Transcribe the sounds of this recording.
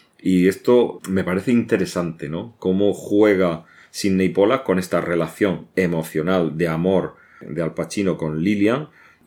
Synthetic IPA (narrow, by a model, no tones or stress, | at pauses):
ie̞st̪ome̞paɾe̞θeint̪e̞ɾe̞sant̪e̞no̞ko̞moxwe̞ɣ̞a | sinːejpo̞lako̞ne̞st̪are̞laθjo̞ŋe̞mo̞θjo̞nald̪e̞amo̞ɾ | d̪ealpat͡ʃinokonliljaŋ